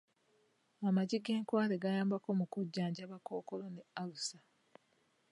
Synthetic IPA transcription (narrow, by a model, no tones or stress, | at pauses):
amaɟiɡe̞ːŋkwaːleɡajaːmbako̞mukuɟːaːɲɟaβako̞ːko̞lonealusa